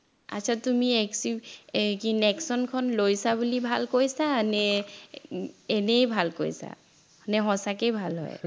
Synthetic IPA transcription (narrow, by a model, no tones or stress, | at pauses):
a̰t͡ʃʰatumiɛksikinɛksɔnkʰɔnlojsabulibʱalkojsaːnɛ | nejbʱalko̰jsa̰ | anɛɦɔsakejbʱalɦɔ̰j